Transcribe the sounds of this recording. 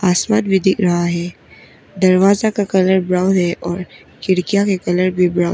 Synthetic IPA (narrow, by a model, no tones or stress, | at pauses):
aːsmaːt̪̚bʱid̪ɪkʰɾɐɦaɦɛː | d̪ɐɾʋaːzakakɐləɾbɾaːʊd̪ɦɛʔɔːɾ | kɪɽkijakekɐləɾbʱibɾaː